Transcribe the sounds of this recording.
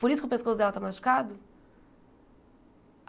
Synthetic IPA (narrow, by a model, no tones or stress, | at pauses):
poɾisʊkɪʊpeskosʊd̪ɛlɐt̪amast͡ʃi̥kad̪ʊ